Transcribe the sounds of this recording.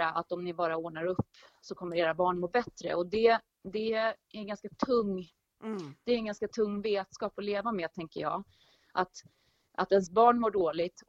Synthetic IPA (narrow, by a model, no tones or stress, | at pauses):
aʔat̪ɔmnɪbɑːɾaoːɳaɾɵpːsɔkʰɔmːəɾeːɾabɑːɳmoːbɛt̪ɾə̰ɔd̪ɛ | d̪ɛæɾɡanskat̪ʰɵŋː | d̪ɛːɾɛnɡanskat̪ʰɵŋːveːt̪skɑːpɔleːvameːd̪̚t̪ʰɛŋkə̰jɑ̰ː | ʔat̪ | ʔa̰t̪ɛns̬bɑːɳmoːɖoːlɪɡt̪